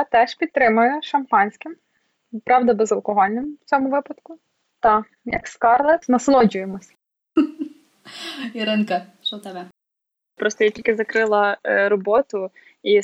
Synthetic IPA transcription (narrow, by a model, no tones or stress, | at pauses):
ɑt̪ɛʃpʲidt̪̚t̪ɾɪmʊjʊʃɐmpɑnʲsʲkɪm | pɾɑwd̪ɐbɛzɐlˠkɔɦɔlʲnɪmwt͡sʲɔmʊʋɪpɐd̪kʊ | t̪ɑ | jɐ̰kskɑrlˠɛnɐslˠɔd͡ʒʊjemɔsʲ | iɾɪnkɐʃɔt̪ɛbɛ | pɾɔst̪ɔjatʲilʲkɪzɐkɾɪlˠɐɾɔbɔt̪ʊ | i